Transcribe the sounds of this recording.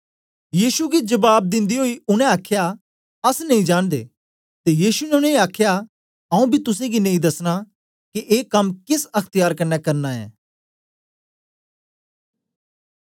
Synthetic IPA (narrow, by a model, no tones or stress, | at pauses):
jiːsuɡid͡ʒɐbaːb̚d̪ɪ̃nd̪iɦoːiʊnɛ̃aːkʰja | ɐsnɐĩd͡ʒaːɽ̃d̪ḛː | t̪ejiːsunɛʊnɛ̃ĩaːkʰja | ɐũbʱit̪ʊs̬ẽɡinɐĩd̪ɐsɽ̃a | kiʔeːkɐmkɪsɐkʰt̪ɪjaːɾkɐnːɛkɐɾnaɛ̰ː